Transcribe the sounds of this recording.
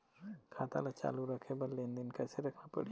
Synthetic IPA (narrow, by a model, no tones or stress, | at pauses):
kʰaːt̪a̰lat͡ʃa̰ːluɾɐkʰẽbɐɾleːnd̪ɪnkɛːseɾɐkʰapɐ̰ɽi